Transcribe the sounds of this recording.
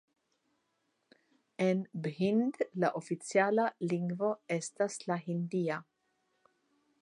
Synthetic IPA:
enbhind̪laʔofit͡sjaːlaliŋɡvoɛst̪aslaɦind̪iːa

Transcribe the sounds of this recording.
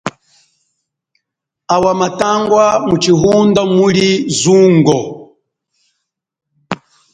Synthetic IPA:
awamataŋɡwamut͡ʃiɦundamulizuŋɡɔ

